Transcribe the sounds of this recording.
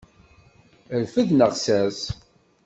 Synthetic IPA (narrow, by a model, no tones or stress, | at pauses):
əɾfəðnəʁsæs